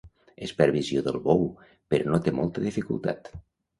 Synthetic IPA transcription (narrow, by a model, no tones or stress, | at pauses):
espəɾβizioðəlˠβow | peɾonot̪emolˠt̪əðifikṵlˠt̪a̰t̪